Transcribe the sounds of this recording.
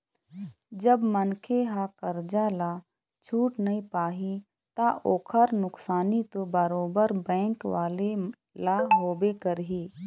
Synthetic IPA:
d͡ʒəbmənkʰeɦakəɾd͡ʒalaː | t͡ʃʰuːʈnɐĩpaːɦi | t̪aʔoːkʰəɾnʊksaːnit̪obəɾoːbəɾbɛ̃ːŋkʋaːle | laːɦoːbekəɾɦiː

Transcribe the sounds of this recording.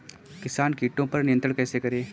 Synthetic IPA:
kɪsaːnkiːʈõpɐɾnɪjə̃nt̪ɾəɽ̃kɛːsekɐɾeː

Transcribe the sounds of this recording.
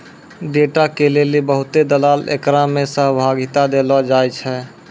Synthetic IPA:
ɖeːʈakelelebəɦʊt̪ed̪əlaːlḛkɾãmẽsəɦbʱaːɡɪt̪ad̪eːlad͡ʒaːjt͡ʃʰɛ

